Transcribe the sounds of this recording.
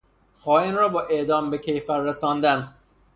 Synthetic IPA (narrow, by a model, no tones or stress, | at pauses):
xɒːinrɒːbɒːʔeʔd̪ɒːmbekʰejfæɾːesɒːnd̪æn